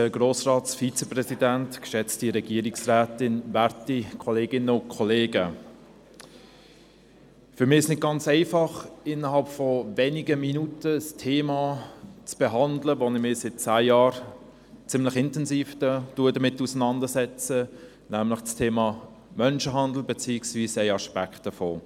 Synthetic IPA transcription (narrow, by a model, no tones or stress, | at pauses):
əɡ̥roːsrɑːtsfit͡sɛprɛsidæntkʃɛt͡stiɾɛɡiːɾɪksræːtɪnvæɾtikʰɔleːɡɪnəʊnkʰɔleːɡə | fʏɾmɪːɪsnɪt̚ɡ̥ɑnt͡sɛɪfɑχɪnəɦɑlpfɔvɛnɪɡəminutəstʰeːmɑːt͡sb̥eɦɑndləʋonɪmɪsɪt̚t͡sæːjɑːɾ | t͡sɪmlɪχɪntɛnsiːfdətuədəmɪtːusənɑndəsɛt͡sə | næmlɪχstʰeːmɑː | mœnʃəɦɑnd̪l̩ˠbɛt͡siːɪksviːsɛɪɑʃpæktəfoː